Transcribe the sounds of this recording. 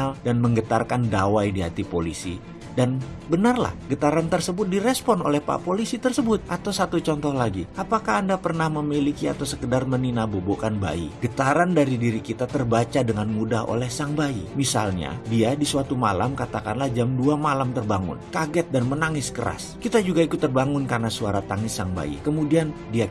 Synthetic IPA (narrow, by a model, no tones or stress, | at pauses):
aldanməŋɡət̪arkandawajdiɦat̪ipolisi | dan | bənarla̰hɡət̪aɾant̪ərsəbʊt̪̚diɾɛspɔno̰lɛhpa̰polisit̪ərsəbʊt̪̚ʔat̪awsat̪ut͡ʃɔnt̪ɔhlaɡiʔapakaːndapərnahməmilikia̰t̪awsəkədarməninabobokanba̰ḭɡət̪aɾandaɾidiɾikit̪at̪ərbat͡ʃadəŋanmudaɦo̰lɛhsaŋbaḭmisa̰lɲa̰diadisuat̪uma̰la̰mkat̪akanlahd͡ʒamduamalamt̪ərbaŋʊ̰nkaɡɛt̪̚danmənaŋɪskə̰ɾa̰skit̪ad͡ʒuɡaikut̪ːərbaŋʊnkarnasuaɾat̪aŋɪsaŋba̰ḭkəmudiandia